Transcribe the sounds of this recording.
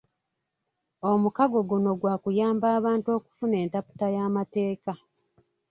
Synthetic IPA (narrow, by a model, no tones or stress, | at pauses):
o̞mukaɡo̞ɡuno̞ɡwaːkujaːmbaːβaːnto̞ːku̥fune̞ːntapu̥tajaːmate̞ːka